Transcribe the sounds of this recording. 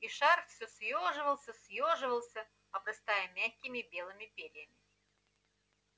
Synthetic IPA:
iʂarfsʲosjoʐɨvəlˠsʲəsʲjoʐɨvəlˠsʲə | ɐbɾɐst̪ajəmʲæçʲkʲɪmʲɪbʲelˠɨmʲɪpʲeɾʲɪjəmʲɪ

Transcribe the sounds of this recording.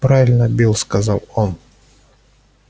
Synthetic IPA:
pɾavʲɪlʲnəbʲilˠskɐzɑlˠon

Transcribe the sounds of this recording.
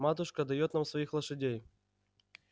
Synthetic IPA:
mat̪ʊʂkəd̪ɐjot̪namsvɐixlˠəʂɨdʲej

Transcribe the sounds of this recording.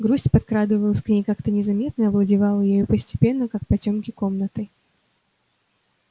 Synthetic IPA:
ɡɾusʲtʲpɐt̪̚kɾad̪ɨvəlˠəsʲknʲejkakt̪ənʲɪzɐmʲe̞t̪nəɐvlˠədʲɪvɑlˠəjejupəsʲtʲɪ̥pʲe̞nːəkak̚pɐtʲo̞mkʲɪko̞mnət̪ɨ

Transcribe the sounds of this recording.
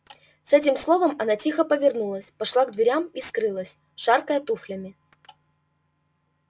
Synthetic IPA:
sɛt̬ʲɪmslˠo̞vəmɐnatʲixəpəvʲɪrnulˠəsʲpɐʂlˠaɡd̪vʲɪɾʲamiskɾɨlˠəsʲ | ʂarkəjət̪uflʲəmʲɪ

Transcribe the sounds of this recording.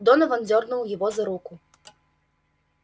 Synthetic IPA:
d̪ɔnɐvɐnd͡zʲɔrnuwjɐvɔzɐɾuku

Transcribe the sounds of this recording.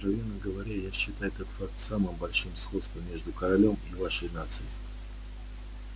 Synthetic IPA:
kɾɐvʲenːəɡəvɐɾʲajaɕːɪt̪ajʊt̪ot̪fak̚t̪samɨmbɐlʲʂɨmsxo̞t̪st̪vəmʲːe̞ʐd̪ʊkəɾɐlʲo̞mivaʂəjnat̪sɨɪ

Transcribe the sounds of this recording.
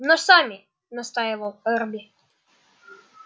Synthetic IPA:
nɔsamʲɪ | nɐst̪ajɪvəlˠɛrbʲɪ

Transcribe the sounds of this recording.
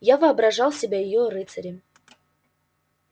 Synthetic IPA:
javɨɐbɾɐʐalˠsʲɪbʲajɪjoɾɨt̪səɾʲɪ

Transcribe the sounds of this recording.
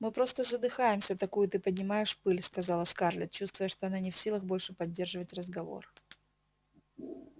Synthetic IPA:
mɨpɾo̞st̪əzəd̪ɨxajɪmsʲət̪ɐkujʊt̪ɨpədʲnʲɪmajɪʂpɨlʲskɐzɑlˠəskarlʲɪ̰t̪̚t͡ɕust̪vʊjəʂt̪oɐnanʲɪfsʲilˠəɣbo̞lʲʂɨpɐdʲːe̞rʐɨvətʲrəzɡɐvo̞̰r

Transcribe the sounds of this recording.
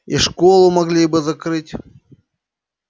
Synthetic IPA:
ḭʂkolˠʊmɐɡlʲibɨzɐkɾɨtʲ

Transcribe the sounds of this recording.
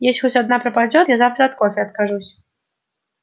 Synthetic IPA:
jɛsʲtʲxɔsʲad̪napɾɐpad͡zʲɔt̪jazawt̪ɾɐat̪̚kɔfʲɛɐt̪̚kaʐusʲ

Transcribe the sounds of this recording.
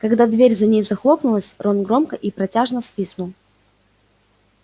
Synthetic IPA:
kɐɡd̪ad̪vʲeɾʲzɐnʲejzɐxlˠo̞pnʊlˠəsʲronɡɾo̞mkəʔipɾɐtʲaʐnəsfʲisnʊ

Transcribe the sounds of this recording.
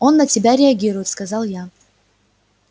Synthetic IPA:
o̞nːətʲɪbʲaɾʲɪɐɡʲiɾʊjɪt̪skɐzɑlˠja

